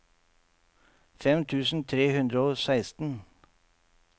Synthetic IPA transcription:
fɛmt̪ʰʉːsn̩t̪ʰɾeːhʉnd̪ɾəoːsæɪst̪n̩

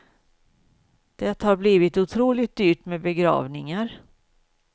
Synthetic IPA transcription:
d̪̥ɛt̪haɾbliːvɪt̪ʊt̪ʰɾuːlɪt̪̚d̪yːʈmɛbɛɡɾɑ̰ːvnɪŋaɾ

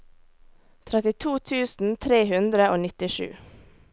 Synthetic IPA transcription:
t̪ʰɾɛt̪ɪt̪ʰuːt̪ʰʉːsn̩t̪ʰɾeːhʉnd̪ɾəoːnɪt̪ɪʃʉ̰ː

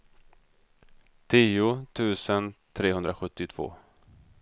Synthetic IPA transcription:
t̪ʰiːʊt̪ʰʉ̟ːsənt̪ʰɾeːɦɵnd̪ɾaɧɵt̪ːɪt̪ʰv̥o̰ː

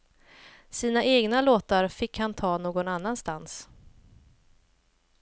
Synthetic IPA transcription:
siːnaʔeːɡnaloːt̪aɾfɪkːhant̪ʰɑːnoːɡɔnanːanst̪ans

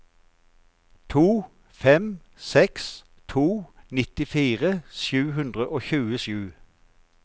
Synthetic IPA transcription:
t̪ʰuː | fɛm | sɛks | t̪ʰuːnɪt̪ɪfiːʁəʃjʉːhʉnd̪ʁəʔoːçʉːəʃjʉː

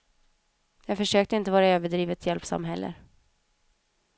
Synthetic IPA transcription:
jɑːɡfœʂøːk̚t̪əɪnt̪əvɑːɾaøːvəɖɾiːvət̪ʰjɛlpsa̰mɦɛlːə̰

